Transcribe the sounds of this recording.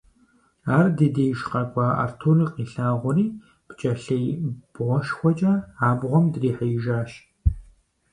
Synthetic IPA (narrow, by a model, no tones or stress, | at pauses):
aːrdeːdeːjʃqɐkʷʼɑːʔɐ̰rtʰuːriːqʼiːɬaːʁʷʊriː | b̥t͡ʃʼɐɬejb̥ʁʷɔʃxʷɔt͡ʃʼɐaːbʁʷɔmdriːħəjɪʒaːʃ